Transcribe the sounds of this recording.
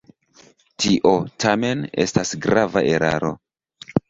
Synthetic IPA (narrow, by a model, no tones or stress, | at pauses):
tiʔo̞tame̞ne̞̰stasɡɾavaʔe̞ɾʔa̰ɾo̞̰